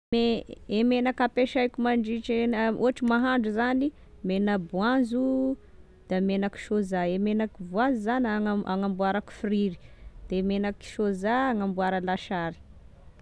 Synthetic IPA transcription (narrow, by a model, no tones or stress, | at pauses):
eemenakapeʃajkumaɳɖ͡ʐiʈ͡ʂenuaʈ͡ʂimaɦaɳɖ͡ʐuzani | menəbuanzu | d̪̥amenaki̥ʃozaemenakivuazizanaŋaaŋambuaɾaki̥friɾi̥d̪̥emenaki̥ʃozaaŋambuaɾəlaʃaɾi̥